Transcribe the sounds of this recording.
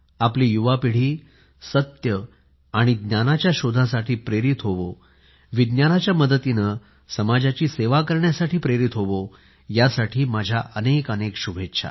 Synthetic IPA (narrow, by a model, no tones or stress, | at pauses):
aplijuʋapiɽ̤iː | sət̪jə | aɽ̃id̪njanat͡ɕjaɕod̪ʱãsaʈiːpɾeɾit̪ɦoʋo | ʋid̪njanat͡ɕjaməd̪ət̪inə | səmad͡ʑat͡ɕiːseʋakəɾɳjasaʈiːpɾeɾit̪ɦoʋo | jasaʈʰiːmad͡ʑʱjaʔənekənekɕubʱetːɕʰa̰